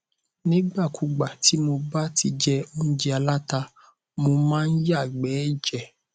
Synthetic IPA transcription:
nĩ˦ɡ͡ba˦˨kʰu˨ɡ͡ba˨ti˨˦mo˧ba˦ti˧d͡ʒɛ˦o˦n̩˦d͡ʒi˦a˧la˦ta˧ | mo˧mãː˦n̩˦ja˦˨ɡ͡bɛ˨˦d͡ʒɛ˦˨

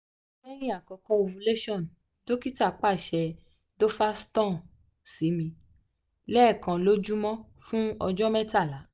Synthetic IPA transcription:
mɛ̃˦j̃ĩ˦a˦˨kɔ˨˧kɔ̃˦o˧vũ˧le˦ʃɔ̃˦˨n˨ | to˦ki˦ta˦˨k͡pa˦˨ʃɛ˧ | do˦fa˦stɔ̃˦˨n˨ | si˨˦mĩ˧ | lɛ˦˨kã˧lo˦d͡ʒu˦mɔ̃˦ | fũ˦ɔ˧d͡ʒɔ˦mɛ̃˦ta˦˨la˨˦

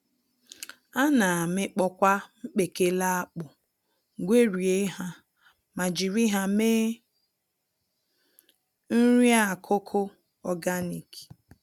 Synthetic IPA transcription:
a˦na˨a˨mɪ˦k͡pɔ˦kʷa˦ŋ͡m̩˦k͡pe˨ke˦la˦a˦k͡pʊ˨ | ɡʷe˦ɾi˨e˦ɦa˦ | ma˨d͡ʒi˨ɾi˦ɦa˦me˦ | n̩˦ɾi˦a˦˨kʰʊ˦kʰʊ˦ | ɔ˨ɡa˦ni˨ki̥˨

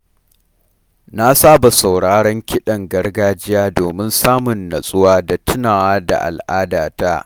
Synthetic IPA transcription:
na˦saː˦ba˨sa˨wɽaː˦ɽɔ˦ŋkʲɪ˦ɗɐ˨ŋɡɐ˦rɡaː˦d͡ʒɪ˦jaː˦doː˨mɪ˦nsaː˦mʊ˨nːɐ˨sʼʊ˦waː˦da˨tʊ˦naː˨waː˦da̰˨ʔa̰˨lʔaː˦daː˨ta˦

